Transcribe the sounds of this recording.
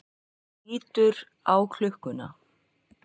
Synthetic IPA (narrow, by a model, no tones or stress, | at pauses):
iːt̪ʏɾ | awkʰl̥ʏhkʏna̰